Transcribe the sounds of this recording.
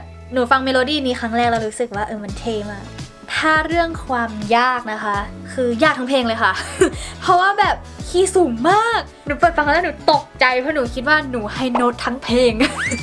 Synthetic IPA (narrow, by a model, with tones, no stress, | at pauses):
nuː˩˦fa˧ŋmeː˧loː˧diː˥˩˨niː˦˥xʰa˦˥ŋɾɛː˥˩k̚ɾa˧wɾuː˦˥sɯ˨˩k̚waː˥˩ʔɤː˧˩ma˧nt̪ʰeː˧maː˧˩ | t̪ʰaː˥˩ɾɯ˥˩əŋkʰwaː˧mjaː˥˩k̚na˦˥kʰa˦˥ʔkʰɯː˧jaː˥˩k̪̚ʰa˦˥pʰeː˧ŋlɤː˧jkʰa˥˩ʔpʰɾɔ˦˥waː˥˩bɛː˨˩p̚kʰiː˧˩suː˨˩˦mːaː˥˩k̚nuː˩˦˩pɤ˨˩fa˧˩kʰlaː˥nuː˩˦t̪o˨˩k̚t͡ɕa˧jpʰɔ˦˥˩nuː˩˦kʰi˦˥t̪̚waː˥˩nuː˩˦ha˥˩jno˦˥t̪ʰːa˦˥ŋpʰeː˧ŋ